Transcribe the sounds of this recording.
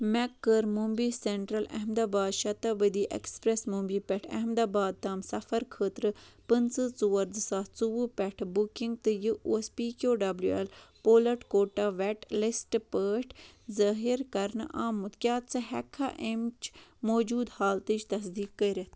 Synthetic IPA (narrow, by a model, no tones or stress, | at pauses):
mɛkːəɾmumbiːseɳʈɾɐlɐ̰ɦmd̪aːbaːd̪ʃɐt̪ɐbəd̪iːʔḛkspɾesmumbiːpʲɛʈʰɐ̰ɦmd̪aːbaːd̪̚t̪aːmsɐfɐɾkʰəːt̪ɾɨpɨnt͡sɨt͡suʋɐɾzɨsaːt̪t͡suʋɨpɛʈʰbukiŋɡ̚t̪ɨjɨuspiːkoːɖɐbljuḛlpoːlɐʈkoːʈaːʋɛʈlisʈpəːʈʰzɐːɦiɾkɐɾnʔaːmut̪kʲjaːt̪t͡sɨɦɛkʰːa̰ʔemt͡ʃmoːd͡ʒuːd̪haːlt̪it͡ʃʰt̪ɐs̬d̪iːkːəɾɐt̪